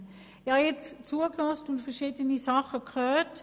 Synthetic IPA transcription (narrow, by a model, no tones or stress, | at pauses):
jɑjɛt͡st͡suəklɔstʊntfɛɐʃiːdənisɑχəkχœːt